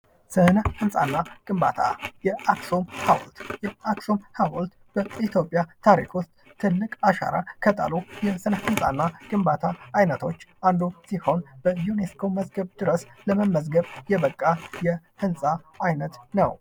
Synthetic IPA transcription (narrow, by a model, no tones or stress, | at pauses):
sɨhnəhɨnsʼa̰nːaɡ̥ʼɨmba̰t̪ʰa̰jɛakso̞mhaw̰lt̪jɛaksomhawlt̪ | b̥əit̪ʰjo̞pʼːjat̪ʰaɾḭkust̪ʼ | t̪ʰɨlːɨkʼaʃa̰ɾa̰kʰət̪ʼa̰lujɛsɨnəhɨnsʼa̰nːaɡ̥ɨmbat̪ʰaːjnət̪ʰo̞t͡ʃːʔand̪usiho̞nb̥əjuneskʰo̞məzɡəβd̪ɨɾəsləməmːəzɡəβjɛβəkʼːajɛ | hɨnsʼaː | jnət̪nəw